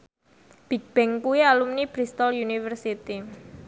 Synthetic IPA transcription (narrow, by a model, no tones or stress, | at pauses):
b̥ik̚b̥ɛŋkuialumnib̥ɾist̪ɔljunifərsit̪i